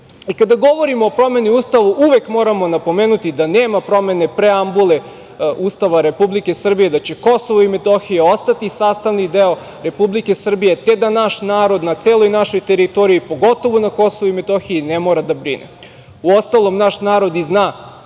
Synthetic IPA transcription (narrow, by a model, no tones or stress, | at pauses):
ikad̪aɡo̞ʋo̞ɾimoːpɾo̞me̞niuːst̪aʋuʔuʋekmo̞ːɾamo̞napo̞meːnut̪id̪aneːmapɾo̞me̞ne̞pɾeambule | uːst̪aʋaɾe̞publike̞sr̩bije̞d̪at͡ɕe̞ko̞soʋoimet̪oxijeo̞st̪at̪isaːst̪aʋnid̪eo | ɾe̞publike̞sr̩bije̞t̪e̞d̪anaʃnaːɾo̞d̪nat̪seːlˠojnaʃo̞jt̪eɾit̪o̞ɾiipo̞ɡo̞t̪oʋonako̞soʋoimet̪o̞xiinemo̞ɾad̪abɾinḛ | uo̞st̪alˠo̞mnaʃnaːɾo̞d̪iznaː